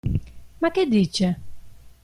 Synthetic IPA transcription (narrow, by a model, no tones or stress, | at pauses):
makːed̪ːiːt͡ʃe